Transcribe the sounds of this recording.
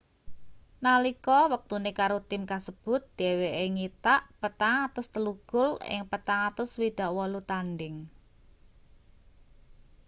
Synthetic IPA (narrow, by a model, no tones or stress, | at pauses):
nalikɔwək̚t̪unekaɾot̪ɪmkasəb̥ʊ̤t̪̚d̪̥eweʔeŋit̪aʔpət̪aŋat̪ʊst̪əluɡ̥ʊlɪ̰ŋpət̪aŋat̪ʊswid̪̥a̤ʔwɔlut̪anɖɪŋ